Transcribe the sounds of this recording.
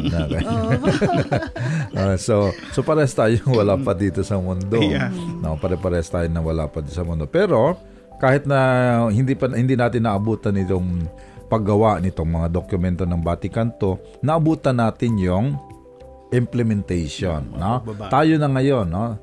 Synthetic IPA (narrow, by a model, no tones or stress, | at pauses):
nokɐ | ʔososopɐɾɛst̪aːjoŋwɐlapɐd̪iːt̪osɐmʊnd̪onopɐɾɛpɐɾɛst̪aːjonɐŋwɐla̰pɐd̪isɐmʊnd̪opɛːɾo̞ | kaːhɪt̪̚nɐhɪnd̪ipɐhɪnd̪inaːt̪ɪnːɐʔɐbuːt̪ɐnɪt̪oŋ | pɐɡɐwaʔnɪt̪oŋmɐŋad̪okjʊmɛnt̪onɐŋbaːt̪ɪkɐnt̪o | nɐʔɐbuːt̪ɐnːaːt̪ɪnjʊŋ | ʔɪmplɛmɛnt̪ɛjʃonːot̪aːjonɐŋɐjo̞nːo